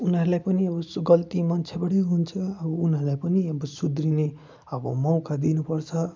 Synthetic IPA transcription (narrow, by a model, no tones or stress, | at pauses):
unʌɾulajpʌniʌbʌɡʌlt̪imʌnt͡sʰebʌɽeɦunt͡sʰʌʌbʌunɦʌɾulajpʌniʌbʌsud̪rine | ʌbʌ̰mʌw̃kad̪inupʌrt͡sʰʌ